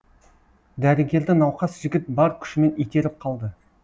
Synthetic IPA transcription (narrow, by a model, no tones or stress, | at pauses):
d̪æɾɪɡʲe̞ɾd̪ɪnɑwqɑsʒɪɡʲɪt̪̚bɑɾkʲʰʏ̥ʃɪme̞nijt̪e̞ɾɪp̚qʰɑlˠd̪ə